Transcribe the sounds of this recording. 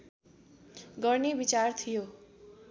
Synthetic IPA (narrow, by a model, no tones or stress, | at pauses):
ɡʌrnebit͡sart̪ʰijo